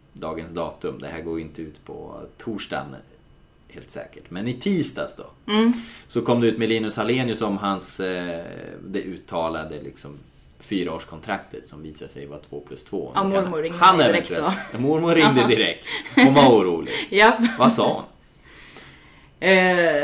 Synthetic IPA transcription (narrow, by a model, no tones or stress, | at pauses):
d̪ɑːɡənsd̪ɑːt̪ɵmd̪ɛhæːɾɡoːɾɪnt̪əʉːt̪pʰɔ̰t̪ʰuːʂʈa̰n | heːlt̪sɛ̰ːkəʈmɛnɪt̪ʰiːst̪asd̪ɔ | sɔkʰɔmːd̪ɛʉːt̪mɛliːnɵsaleːnɪɵsɔmɦans | d̪ɛʔʉ̟ːt̪ʰːɑːlad̪əlɪksɔm | fyːɾaoːʂkʰɔnt̪ʰɾakt̪ʰət̪sɔmviːsaʂɛ̰jvat̪ʰvo̰ːpʰlɵst̪ʰvo̰ːmʊɾmʊɪŋanɛvɛɛlmʊɾmʊɾɪŋd̪əd̪ɪɾɛk̚t̪ɔnvauːɾuːlɪ̰ɡjɑvasɑːhʊ̰n